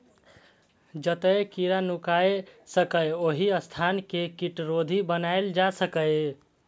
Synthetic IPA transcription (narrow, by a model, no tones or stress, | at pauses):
d͡ʒət̪əjkiɾanukaesəkəjoɦiəst̪ʰankekiʈɾod̪ʱibənaeld͡ʒasəkəj